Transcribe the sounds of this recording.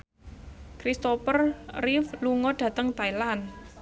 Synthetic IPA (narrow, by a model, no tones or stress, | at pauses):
kɾist̪opərrifluŋɔɖ̥ä̤t̪əŋt̪ailan